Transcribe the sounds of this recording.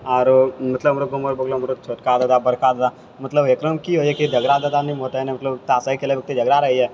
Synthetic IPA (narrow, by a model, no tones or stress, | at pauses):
ɔːɾmɐt̪ləbɐmɾoɡoməɾbəɡloɐmɾot͡ʃʰoːʈkad̪əd̪abəɾkad̪əd̪a | mɐt̪ləbeːkɾəmkiɦoiɦɛkid̪ʱɐɡɾad̪əd̪anĩmot̪aɦɛnẽmɐt̪ləbt̪aːsaːikelieʋjək̚t̪id̪ʱɐɡɾaɾɐɦiɦɛː